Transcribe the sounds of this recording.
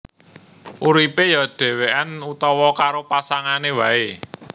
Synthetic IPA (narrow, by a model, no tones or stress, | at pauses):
ʔuɾipejaɖ̪̥ɛ̤weʔanut̪ɔwɔkaɾopasaŋanewae